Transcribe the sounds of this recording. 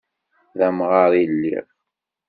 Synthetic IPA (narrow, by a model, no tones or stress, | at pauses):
ðæmʁɑɾˤilːḭʁ